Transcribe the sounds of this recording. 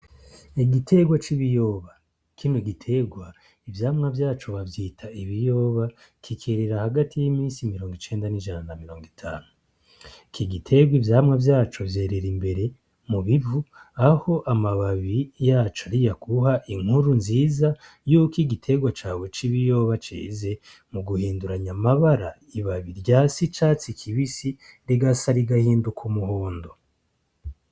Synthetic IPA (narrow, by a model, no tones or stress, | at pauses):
iɡitʰe̞ɡwat͡ʃiβijo̞ːβa | kʰiːnuɡitʰe̞ɡwa | ivjaːmŋavjaːt͡ʃoβavjiːtʰaiβijo̞ːβa | kʰikʰeɾeɾahaɡatʰijimĩːnsimiɾoːŋɡit͡ʃe̞ːndaniʒananamiɾo̞ːŋɡitʰa̰ːnu | kʰiɡitʰe̞ɡwivjaːmŋavjaːt͡ʃovje̞ːɾe̞ɾimbe̞ɾe̞ | muβivuaho̞ʔamaβaβijaːt͡ʃoaɾijakʰuhaʔiŋ̥huɾunziːza | juːkiɡitʰe̞ɡwat͡ʃaːwe̞t͡ʃiβijo̞ːβat͡ʃḛːze̞ | muɡuhiːnduɾaɲamaβaɾa | iβaβiɾɟasit͡ʃat͡sikʰiβisiɾiɡasaɾiɡahiːndukʰumuhoːndo